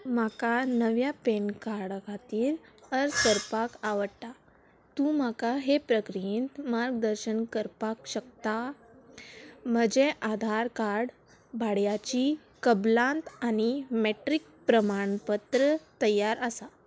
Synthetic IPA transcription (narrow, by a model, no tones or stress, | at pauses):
makanəʋjapenkaɾɽkʰat̪iːɾəɾsəɾpakaʋəɽʈ̪a | t̪ũmakaɦepɾəkɾint̪maɾɡd̪əɾɕənkəɾpakɕək̚t̪a | m̤əd͡ʑeʔad̪ʱaɾkaɾɽ | bʱaɽjat͡ɕi | kəblãnt̪añimeʈɾik̚ | pɾəmaɳpət̪ɾət̪əjaɾəsa